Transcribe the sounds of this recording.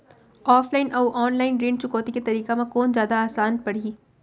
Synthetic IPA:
ɔːflaːɪnʔɐwʔɔːnlaːɪnɖɾeːnt͡ʃʊkɔːt̪iket̪ɐɾiːkemãkɔːnzjaːd̪aaːsaːnpɐɽ̤iː

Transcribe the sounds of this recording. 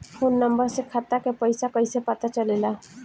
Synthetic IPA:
fʰonːəmbəɾsekʰat̪akepəjsakəjsapat̪at͡ʃəlela

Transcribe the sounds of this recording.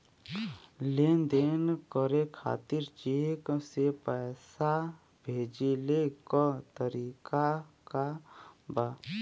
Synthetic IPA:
leːnd̪eːnkəɾekʰa̰ːt̪iɾt͡ʃeksepɛːsa | bʱeːd͡ʒilekɔt̪əɾiːkakabaː

